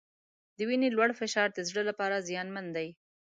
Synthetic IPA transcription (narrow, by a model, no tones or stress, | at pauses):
d̪əwinelwaɽfɪʃɑɾd̪əzɽəlapɑɾazjɑnmand̪aj